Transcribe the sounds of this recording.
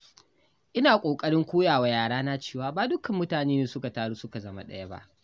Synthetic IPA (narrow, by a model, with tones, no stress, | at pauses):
ʔɪ˦naː˨kʷʼoː˨kʼɐ˦ɽɪ˦ŋkʷoː˦jaː˨wa˨jaː˨ɽaː˦na˦t͡ʃeː˦˨waː˨baː˨dʊ˦kɐ˨mːʊ˦taː˨neː˦neː˨sʊ˦ka˨taː˦ɽu˦sʊ˦ka˨zɐ˦ma̰˦ɗɐ̰˦jɐ˦ba̰˦ʔ